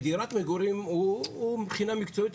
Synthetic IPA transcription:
d̪iɾat̪ʰʼmɛɡuɾimumχinamikʰt͡s̪ʰɔit̪

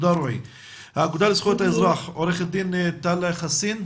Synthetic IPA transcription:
d̪aɾoḭ | haːɡud̪alisχuet̪aezʁaχoɾeχet̪̚d̪int̪aleχasin

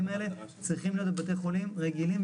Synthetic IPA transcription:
melet͡sʁiχimlijot̪̬ebat̪eχolimʁeɡilim

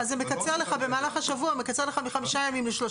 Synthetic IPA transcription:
azːemekat͡seʁleχabemaːlaχhaʃavuamekat͡se̞ʁleχamiχamiʃajamimleʃlo

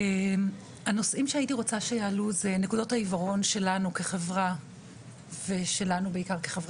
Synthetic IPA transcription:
em | ano̞sʔimʃeaitiʁo̞t͡saʃe̞jaːluzenekudo̞thaivaʁo̞nʃe̞lanuke̞χe̞vʁa | veʃe̞lanubeikaʁkeχevʁa

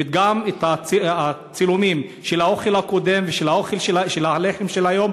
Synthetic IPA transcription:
et̪̚ɡamet̪aia | t͡silumimʃelao̞χe̞lhako̞d̪e̞mveʃelao̞χelʃeʃelaleχemʃelajo̞m

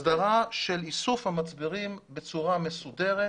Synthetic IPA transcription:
daʁaʃe̞lisufhamat͡sbiʁimbe̞t͡suʁame̞sud̪e̞ʁe

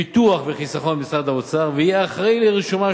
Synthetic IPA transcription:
it̪uaχveχisaχo̞nbisʁad̪aot͡saʁveijeaχʁejleʁiʃuma

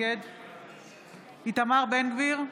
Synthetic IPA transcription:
ed̪ | it̪amaʁbenɡviʁ

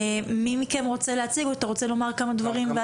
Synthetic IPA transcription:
mimikenʁo̞t͡seleat͡siɡoat̪aʁo̞t͡selo̞maʁkamad̪vaʁimve

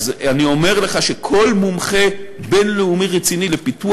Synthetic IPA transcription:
zanio̞me̞ʁleχaʃe̞kʰo̞lmumχe̞be̞nleumiʁet͡sinilepitu

